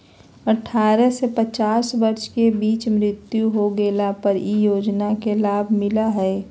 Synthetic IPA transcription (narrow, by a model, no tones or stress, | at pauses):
əʈʰːaːɾəsepət͡ʃaːsbəɾʃkebiːt͡ʃmɾɪt̪juɦoɡeːlapəɾijoːd͡ʒnakelaːbʱmɪlaɦɛ